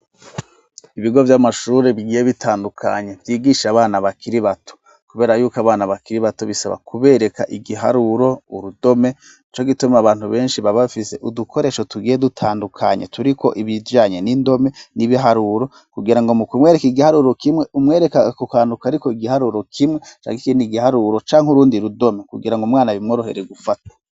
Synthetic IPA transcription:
iβiɡo̞vjamaʃuːɾeβiɡiːjeβitʰaːndukʰa̰ɲe̞vjiːɡiːʃaβaːnaβakiɾiβato̥ | kuβe̞ːɾajuːkaβaːnaβakiɾiβatoβisa̰βa̰kʰuβe̞ːɾe̞kaʔiɡiɦa̰ɾuɾo̞uɾudo̞me̞ | it͡ʃo̞ɡitumaβaːn̥huβe̞ːnʃiβaβafise̞ʔudukʰo̞ɾe̞ːʃo̞tuɡiːjedutʰaːndukʰa̰ɲe̞̰tuɾikʰo̞̰ʔiβijaːɲe̞nindo̞me̞niβiɦaɾuɾo̞ | kuɡiɾaŋɡomukumwe̞ːɾekiɡihaɾuːɾo̞kimŋe̞ʔumŋe̞ːɾekaakukaːndukaɾikoiɡihaɾuːɾo̞kʰimŋet͡ʃa̰ːŋɡikindiɡihaɾuɾo̞t͡ʃaːŋhuɾuːndiɾudo̞me̞kuɡiɾaŋɡomŋaːnaβimŋoɾoheɾeɡufatḁ

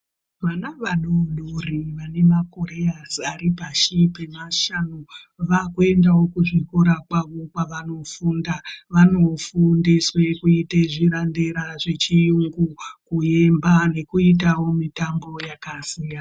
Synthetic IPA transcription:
ʋanaʋanonoriʋane̞mako̞ɾe̞jasaɾipaʃipe̞maʃano | ʋakue̞ndawo̞kuʐikoɾakwaʋo̞kwaʋano̞fundaʋano̞fundiswe̞kuiteʐiɾandeɾaʐet͡ʃijuŋɡukuje̞mbane̞kuitawo̞mitambo̞jakasija

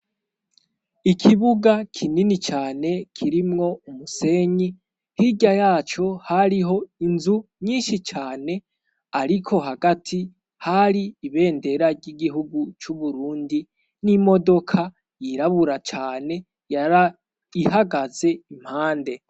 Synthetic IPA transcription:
ikʰiβuɡakʰininit͡ʃaːne̞kʰiɾimŋo̞umuse̞ɲi | hiɟajaːt͡ʃo̞haɾiɦo̞inzuɲiːnʃit͡ʃaːne̞ | aɾikʰo̞ɦaɡatʰi | haɾiːβe̞ːnde̞ɾaɾɟiɡiɦuɡut͡ʃuβuɾuːndi | nimo̞do̞kʰa | jiɾaβuɾat͡ʃaːne̞ | j | iɦaɡaze̞im̥haːnde̞

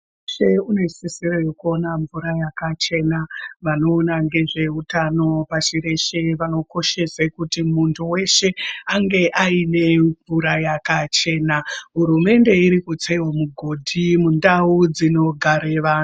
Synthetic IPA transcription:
ʃeune̞sisirojokuo̞naɱvuɾajakat͡ʃe̞naʋano̞ːnaŋɡe̞ʐe̞ɦutano̞paʃiɾe̞ʃeʋano̞ko̞ʃe̞sekutimuntʰuwe̞ʃe̞aŋɡe̞ʔaine̞ɱvuɾajakat͡ʃe̞ːnaɦuɾume̞nde̞iɾikut͡seɦomuɡʱo̞dʱimundaud͡zino̞ɡʱaɾeʋaːn

